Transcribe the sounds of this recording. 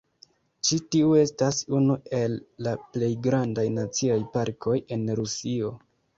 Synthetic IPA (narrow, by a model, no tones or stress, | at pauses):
t͡ʃitiue̞stasunue̞lːaple̞jɡɾandajnat͡siajpaɾkʰo̞je̞nɾusio̞